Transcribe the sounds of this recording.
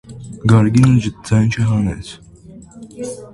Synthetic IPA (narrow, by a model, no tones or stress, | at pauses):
ɡɑɾɡinəd͡ʒət̪̚d͡zɑjnt͡ʃʰɛɦɑnɛ̰t͡sʰ